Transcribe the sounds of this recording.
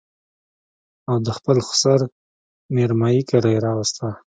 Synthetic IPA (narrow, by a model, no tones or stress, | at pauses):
awd̪əxpəlxʊ̥saɾ | meɾmɑjikaɽajɾɑwast̪a